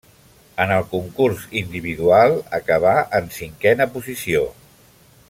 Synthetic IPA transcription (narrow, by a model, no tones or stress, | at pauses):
ənəlˠkuŋkurzind̪iβ̞iðualˠəkəβ̞aʔənsiŋkɛnəpuzisio